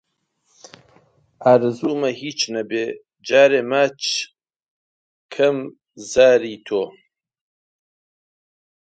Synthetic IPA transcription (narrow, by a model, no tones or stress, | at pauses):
aːɾɨzuːmɐhiːt͡ʃnɐbeː | d͡ʒaːɾeːmaːt͡ʃ | kʰɐm | zaːɾiːt̪ʰoː